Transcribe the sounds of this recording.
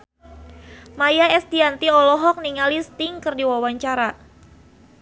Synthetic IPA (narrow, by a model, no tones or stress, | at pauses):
majaɛsdiant̪iɔlɔɦɔk̚niŋalist̪ɪŋkərdiwawaɲt͡ʃaɾa